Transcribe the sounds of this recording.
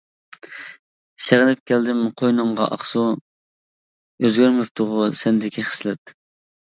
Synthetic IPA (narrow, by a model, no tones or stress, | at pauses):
ʃeʁɪnɪp̚kʲʰæld̪ɪmqʰojnʊɴʁɑ̰ʔɑ̰χsu | øzɡʲyɾmɪp̚t̪ʰʊʁʊsɛnd̪ɪkʲʰiχə̥slɛt̪